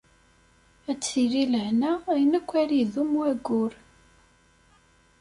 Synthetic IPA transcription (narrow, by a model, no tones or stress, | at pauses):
æt͡sːiɾiləʕnaæjənækʷːæɾiðumuæɡʊɾ